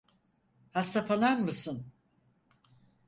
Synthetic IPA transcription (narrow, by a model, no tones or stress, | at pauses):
hast̪afalˠanmɯsɯn